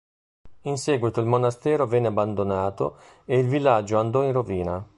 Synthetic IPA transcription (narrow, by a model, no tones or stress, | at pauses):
insɛːɡwit̪oilmonast̪ɛːɾovɛnːeabːand̪onaːt̪o̰ | eilvilːad͡ʒːoand̪ɔinroviːna